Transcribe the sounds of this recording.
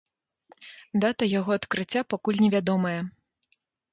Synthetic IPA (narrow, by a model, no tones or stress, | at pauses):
d̪at̪ɐjaɣɔɐt̪kɾɨt͡sʲːapakulʲnʲɛvʲad̪ɔmɐjɐ